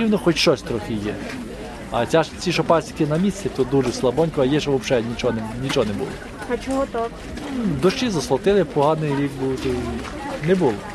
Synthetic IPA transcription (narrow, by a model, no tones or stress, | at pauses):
iwnɔxɔtʲʃt͡ʃɔsʲt̪ɾɔxɪjɛ | ɐ̰t͡sʲaʃt͡sʲiʃɔpɑsʲik̪ʲɪnɐmʲisʲt͡sʲɛt̪ɔd̪uʒɛslˠɐbɔnʲkɔɐjɛʃɔʋɔpʃɛnʲit͡ʃɔnnʲit͡ʃɔɦnɛbṵlˠɔ | ɐt͡ʃɔɦɔt̪ak | d̪ɔʃt͡ʃɪzɐslˠɔt̪ɪlˠɪpɔɦɑnɪjɾʲik̚buwt̪ʊ | nɛbulˠɔ